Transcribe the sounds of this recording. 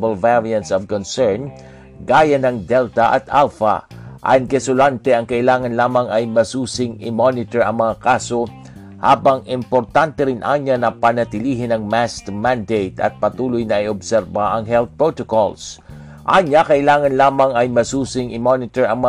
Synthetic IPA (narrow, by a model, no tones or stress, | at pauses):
bɐlvɛɹiɐnt̪sɔvkɔnsɛɹn | ɡaːjɐnɐŋd̪ɛlt̪ɐʔɐ̰t̪alfa̰ʔankɛsʊlant̪ɛʔɐŋkɐʔɪlaːŋɐnlaːmɐŋɐjmɐsuːsɪŋɪmonɪt̪ɛɹɐ̰ŋmɐŋakaːso | ha̰ːbɐŋɪmpoɾt̪ant̪ɛɾɪnʔa̰ːɲanɐpɐnɐt̪ɪliːɦɪnɐŋmast̪mand̪ejt̪ɐ̰t̪̚pɐt̪uːlojnɐʔɪobsɛɾbaʔɐŋɦɛlθ̚pɹot̪okols | ʔaɲakɐʔɪlaːŋɐnlaːmɐŋɐjmɐsuːsɪŋʔɪmonɪt̪ɛɹɐŋmɐ